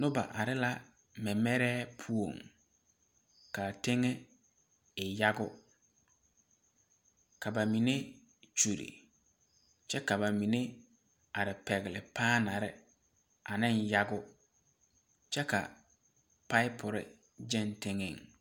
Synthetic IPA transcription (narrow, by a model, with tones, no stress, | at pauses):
nʊ̃˦ba̰˨ʔa˨ɾɪ˦la˦ | mɛ̃˨mɛ˦ɾɛː˦pʰu˦o˨ŋ | kʰa˨tʰɪ̃˦ŋɛ˦ | ɪ˨ja˦ɡʊ˦ | kʰa˨ba˨mĩ˨nẽ˦ | t͡ʃu˨ɾḭ˨ | t͡ʃʰɛ˦ka˨ba˨mĩ˨nẽ˦ | a˨ɾɪ˨pʰɛ˨ɣlɪ˨pʰaː˦nã˨ɾɪ˨ | a˨nɪ̃˦nja˦ɡʊ˦ | t͡ʃʰɛ˦kʰa̰˨ | pʰa˦ɪ˦pʰʊ˨ɾɪ̰˨ | d͡ʑɛ̃˦˨ntʰɪ̃˦ŋɪ̰̃˨ŋ